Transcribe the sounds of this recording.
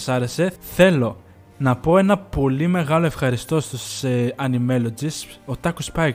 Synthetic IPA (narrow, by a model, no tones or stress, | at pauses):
sɐɾe̞se̞θe̞lo̞ | nɐpo̞e̞nɐpo̞lime̞ɣɐloe̞fxɐɾist̪o̞st̪usɐnime̞lo̞d͡ziso̞t̪ɐkuspɐ